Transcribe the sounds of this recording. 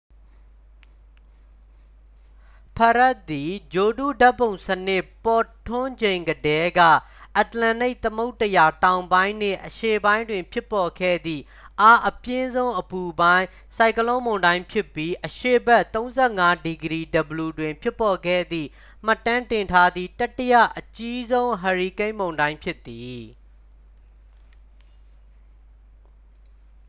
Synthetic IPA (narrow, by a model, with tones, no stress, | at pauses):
pʰa˨ɹa˦ʔt̪̚ːi˨d͡ʑo˨dṵ˦˨da˦pːõ˨ʊ̃sənɪ˦ʔpɔ˨tʰʊ̃˦d͡ʑẽ˨ɪ̃ŋɡədɛ˦ɡä̰˦˨ | ʔa˨t̪lã˨ne˦ɪʔt̪əmo˦ʊtːəja˨tã˨ʊ̃mbã˦ɪ̃n̥ɪ̰̃˦˨ʔəʃe˦˨bã˦ɪ̃ndwɪ̃˨mpʰjɪ˦pːɔ˨ɡʰɛ̰˦˨d̪ðḭ˦˨ | ʔa˦ʔəpjɪ̃˦zõ˦ʊ̃ʔəpu˨bã˦ɪ̃ | sa˨ɪkəlõ˦mõ˨ʊ̃ndã˦ɪ̃mpʰjɪ˦pːji˦ʔəʃḛ˦˨bɛ˦ʔt̪õ˦ʊ̃nzɛ˦˨ŋa˦di˨ɡəɾi˦˨də˨bəlu˨dwɪ̃˨mpʰjɪ˦pːɔ˨ɡɛ̰˦˨d̪ðḭ˦˨ | m̥a˦˨tːã˦ntɪ̃˨ntʰa˦d̪ði˦˨ta˦tːəjä̰˦˨ʔət͡ɕi˦zõ˦ʊ̃ɦa˨ɹi˨kẽ˦ɪ̃mõ˨ʊ̃ndã˦ɪ̃mpʰjɪ˦t̪ːi˨